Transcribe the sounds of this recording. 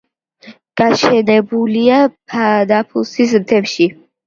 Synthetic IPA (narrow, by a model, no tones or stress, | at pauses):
ɡ̥aʃɛnɛbuliapʰad̪apʰusis̬ɾt̪ʰɛpʃi